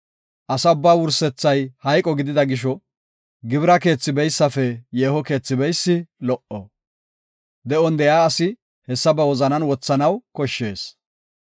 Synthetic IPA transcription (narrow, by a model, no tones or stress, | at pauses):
ʔɐsɐʊbːaːwʊɾsɛt͡sːɐjhɐjkʼɔɡɪd̪ɪd̪ɐɡɪʃ̬ɔ | ɡɪbɾɐke̞ːt͡sːɪbɛjsːɐfɛjeːhɔke̞ːt͡sːɪbɛjsːɪlɔʔɔ̰ | d̪ɛʔɔnd̪ɛjaːɐsɪ | hɛsːɐbɐwɔzɐnɐnwɔt͡sːɐnɐwkɔʃːe̞ːs